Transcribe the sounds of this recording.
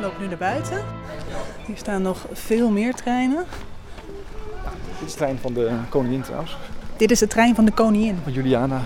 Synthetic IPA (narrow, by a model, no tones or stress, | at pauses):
lowpnynaːɹbœɥtʰə | ɦiːɹstaːnːɔχfɪːlˠmɪːɹtrɛjnən | jadɪtɪ̥strɛjnvɑndəkownɪŋɪntra̰wənsd̥ɪtɪsətrɛjnvɑndəkownɪŋɪnnjyliaːna